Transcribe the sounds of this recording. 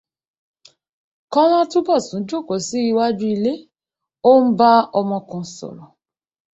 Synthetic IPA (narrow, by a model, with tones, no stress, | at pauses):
kɔ̃˦l̃ã˦tu˦bɔ˦˨sũ˨˦d͡ʒo˦˨ko˨˦si˦i˧wa˦d͡ʒu˦i˧le˦ | o˦n̩˦ba˦ɔ˧mɔ̃˧kũ˧sɔ̰˨ɾɔ˨